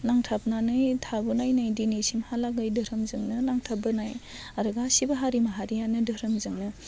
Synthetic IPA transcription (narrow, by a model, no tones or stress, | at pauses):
laŋtʰap̚nanɯjtʰabɯnajnajdinisimhalaɡajdɯɾɯmzɯŋnɯlaŋtʰap̚bɯnaj | aɾɯɡasibaɦaɾimaɦaɾijanɯdɯɾɯmzɯŋnɯ